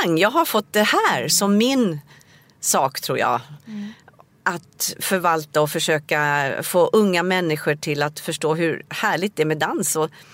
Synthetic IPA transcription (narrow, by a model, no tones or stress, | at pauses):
ŋːjɑːɡɦaɾfɔt̪̚d̪ɛhæːɾsɔmːɪn | sɑːkt̪ʰɾuːɾjɑ̰ː | ʔat̪fœɾvalt̪aɔfœʂøːkafoːʔɵŋːamɛnːɪɧəʈʰɪlat̪fœʂʈoːɦɵɾhæːɭɪɡt̪d̪ɛæɾmɛd̪ansɔ